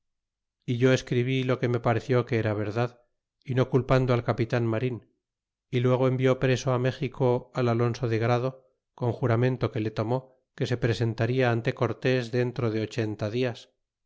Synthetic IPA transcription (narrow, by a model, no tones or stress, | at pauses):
iʝo̞e̞skɾiβ̞ilo̞ke̞me̞paɾe̞θjo̞keeɾaβ̞e̞ɾðað | ino̞kulpand̪oalkapit̪anmaɾin | ilwe̞ɣ̞oe̞mbjo̞pɾe̞so̞ame̞xikʰo̞alalo̞nso̞ðe̞ɣ̞ɾað̞o̞ | ko̞ŋxuɾamẽ̞nt̪o̞ke̞le̞t̪o̞mo̞ | ke̞se̞pɾe̞se̞nt̪aɾiaant̪e̞ko̞ɾt̪e̞zðe̞nt̪ɾo̞ð̞e̞o̞t͡ʃe̞nt̪aðias